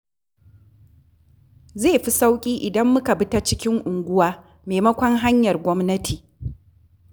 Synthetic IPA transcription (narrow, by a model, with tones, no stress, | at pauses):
zeː˦˨ɸi˦sa˦wkʲʼiː˦ʔɪ˨dɐ˦mːʊ˦ka˨bɪ˦ta˦t͡ʃɪ˦kʲɪ˦ŋʔʊ˨ŋɡʷʊ˦waː˦ | meː˨mɐ˦kʷɔ˦ŋɦa˦ɲjɐ˨rɡʷɔ˦mnɐ˦tʰiː˨